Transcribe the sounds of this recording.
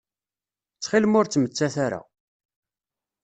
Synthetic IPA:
t͡sːχilmʊɾt͡sːmət͡sːaθaɾa̰

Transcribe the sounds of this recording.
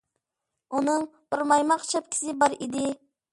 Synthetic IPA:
unɨŋt̪uɾmɑjmɑqt͡ʃʰɑp̚kʲʰi̥sɪbɑɾid̪ɪ

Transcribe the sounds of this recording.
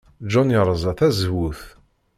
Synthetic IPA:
d͡ʒɔnəɾˤəzˤɑθæzwuθ

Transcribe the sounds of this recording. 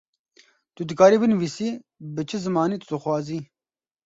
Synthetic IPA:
t̪ud̪ɨkɑːɾiːbɨnviːsiːbɨt͡ʃʰɨzɨmɑːniːt̪u̥d̪ɨxwɑːziː

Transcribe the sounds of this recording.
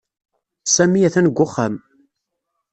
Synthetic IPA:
sæmiæθænəɡʷːʊχam

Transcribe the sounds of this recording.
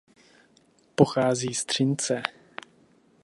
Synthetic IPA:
poxaːziːst̪r̝̥ɪnt͡sɛ

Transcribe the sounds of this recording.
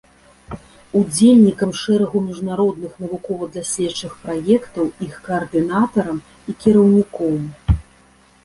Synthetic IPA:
ud͡zʲelʲnʲikɐmʂɛɾɐɣumʲiʐnaɾɔd̪nɨxnɐvukɔvɐd̪lʲasʲlʲɛt͡ʂːɨxpɾajɛkt̪ɐwixkɐːrd̪ɨnat̪ɐɾɐm | ikʲiɾɐwnʲikɔm

